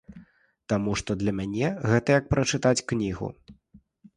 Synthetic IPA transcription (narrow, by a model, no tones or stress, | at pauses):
t̪amuʂt̪ɔd̪lʲɐmʲanʲɛɣɛt̪ɐjɐk̚pɾɐt͡ʂɨt̪at͡sʲknʲiɣṵ